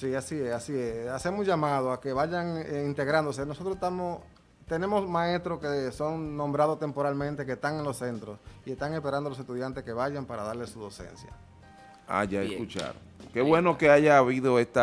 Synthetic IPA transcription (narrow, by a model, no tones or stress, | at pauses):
siasiesasiesase̞mosʝamað̞oake̞βaʝaŋeint̪eɣɾand̪o̞senosot̪ɾosest̪amos | t̪ene̞mosmae̞st̪ɾoskeso̞ŋnõmbɾað̞ot̪e̞mpo̞ɾalmẽnt̪e̞kest̪aŋe̞nlosːe̞nt̪ɾosie̞st̪aŋe̞spe̞ɾand̪olose̞st̪uðjant̪eske̞βaʝampaɾaðaɾle̞suðo̞se̞̰nsja̰ | a̰ʝaeskut͡ʃa̰ɾo | keβwe̞no̞keaʝaːβiðo̞est̪a